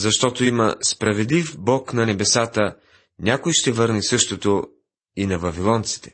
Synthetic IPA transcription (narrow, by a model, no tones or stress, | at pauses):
zɐʃt̪ɔt̪oimɐspɾɐvɛd̪lifbɔknɐnɛbɛsat̪ə | nʲakojʃt̪ɛvɤɾnisɤʃt̪ot̪o | inɐvɐvilˠɔnt̪si̥t̪ɛ̥